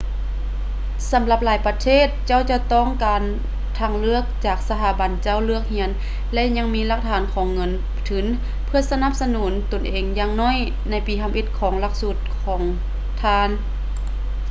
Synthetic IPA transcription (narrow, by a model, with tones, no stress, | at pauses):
sa˩˦mla˧p̚laː˨˦jpa˧t̪ʰeː˥˨t̪̚t͡ɕa˥˨wt͡ɕa˧˩wt̪ɔː˧˥˩ŋkaː˨n | t̪ʰa˧˩ŋlɯ˥˩ək̚t͡ɕaː˨˩k̚sa˧t̪ʰaː˧˩˦ba˨˦nt͡ɕa˧˥˨wlɯ˥˩ək̚hi˧˥ən | lɛ˧˥ʔɲa˧˨ŋmiː˧˥˧la˧˩k̚t̪ʰaː˨˦nkʰɔː˨˦ŋːɤ˧˥˨n | t̪ʰɯ˩˦n | pʰɯ˧ɐsa˧na˧˥˩p̚sa˧nuː˩˦nt̪o˨˩nʔeː˨ŋjaː˧ŋnɔː˧˥˨j | na˧˥jpiː˨˦k̪ʰa˧mʔe˧˩t̪̚kʰɔː˨˩˦ŋla˧˥k̚su˧˩t̪̚kʰɔː˩˦ŋ | t̪ʰaː˧˩n